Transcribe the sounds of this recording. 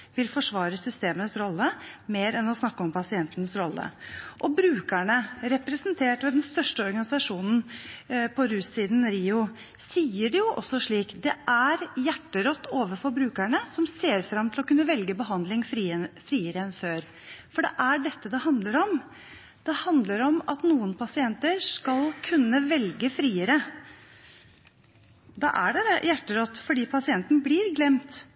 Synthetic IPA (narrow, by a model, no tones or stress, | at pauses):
ʋɪlfɔʂʋɑːɾəsʏst̪eːmənəsɾɔlːəmeːɾɛnɔsnɑkːəɔmpʰɑsɪɛnt̪ənəsɾɔlːə̰ʔɔbɾʉːkæɳəɾɛpɾɛsənt̪ʰeːʈʋɛd̪ɛnst̪œʂʈəɔɾɡɑnɪsɑʂuːnn̩pʰɔɾʉːsiːd̪n̩ɾiːʊ | siːəɖɛjʊʔɔ̰sːɔʂɭiːkd̪ɛʔæɾjæʈːəɾɔt̪ːoːʋəfɔɾbɾʉːkæɳəsɔmseːɾfɾɑmːt̪ʰɪlɔkʉnːəʋɛlɡəbəɦɑnd̪lɪŋfɾiːfɾiːəɾəɛnføːɾ | fɔɖɛʔæɖɛt̪ːəd̪ɛhɑnd̪ləɾɔm | d̪̥ɛhɑnd̪ləɾɔmɑt̪nuːənpʰɑsɪɛnt̪əɾʂkɑlkʰʉnːəʋɛlɡəfɾiːəɾə | d̪ɑ̰ːʔæɖɛd̪ɛjæʈːəɾɔt̪ːfɔɖiːpʰɑsɪɛnt̪n̩bliːɾɡlɛmt̪